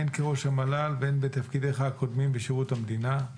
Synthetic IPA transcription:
nkeʁo̞ʃhamalalbenbet̪afkid̪eχaako̞d̪mimbeʃeʁutamd̪ina

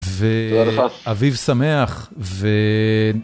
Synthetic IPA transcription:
veaaavivsame̞aχve

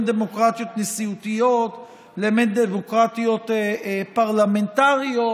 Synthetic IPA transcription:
nd̪emokʁat̪jo̞t̪nesiut̪ijo̞t | lemetd̪emokʁat̪ijo̞t̪paʁlamentaʁio

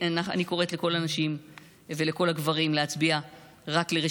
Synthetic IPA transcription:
anaχa̰niko̞ʁetle̞ko̞laːnaʃim | veleko̞laɡvaʁimleat͡sbia | ʁakleʁe

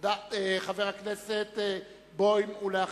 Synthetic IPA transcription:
d̪aeχaveʁakneset̪ | bojmulea

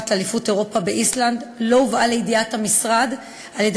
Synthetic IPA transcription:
t̪lealifute̞ʁo̞pabeʔisland̪lo̞uvale̞jidiathamisʁad | ʔaljed

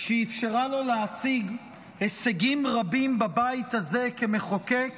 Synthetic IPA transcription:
ʃiifʃaʁalo̞leasiɡ | heseɡimʁabimbabait̪haze̞ke̞me̞χokek

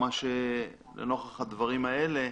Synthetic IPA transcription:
maʃe | lḛno̞χaχad̪vaʁimaele̞

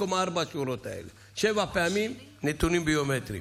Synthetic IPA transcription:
omaɾbat͡ʃuɾot̪a̰j̰l | ʃeʋapaminit̪unibiomet̪ɾḭ

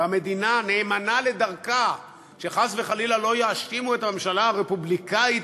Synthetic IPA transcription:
ame̞d̪inane̞ːmanale̞d̪aʁka | ʃe̞χasveχalilalo̞jeaʃkimuet̪amemʃalaaʁepublikait

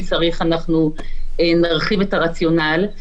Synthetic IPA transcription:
t͡saʁiχanaχnuenaʁχivetaʁat͡sjo̞nal

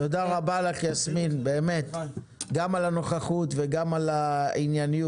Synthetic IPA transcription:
tod̪aʁabalakiasminbeːme̞t̪ | ɡamalano̞χaχutveɡamalainjaniju

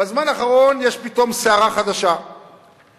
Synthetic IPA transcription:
bazmanaχaʁo̞njeʃpit̪o̞mseaʁaχad̪aʃa

